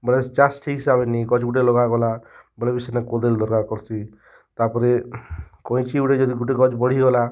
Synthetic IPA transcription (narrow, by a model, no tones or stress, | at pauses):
bɔlesd͡ʒasʈʰiɦisabeniɡɔd͡ʒɡuʈelɔɡaɡɔlabɔlebisenekod̪eld̪ɔɾkakɔɾt͡ʃʰi | t̪apɔɾekɔĩt͡ʃiuʈed͡ʒɔd̪iɡuʈeɡɔd͡ʒbɔɽ̤iɡɔla